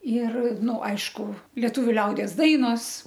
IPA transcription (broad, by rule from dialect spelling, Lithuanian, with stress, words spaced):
ɪr ˈnʊ ˈɐɪʃkʊ lʲiɛˈtʊʋʲʊ ˈlʲɛʊdʲiɛs ˈdɐɪnoːs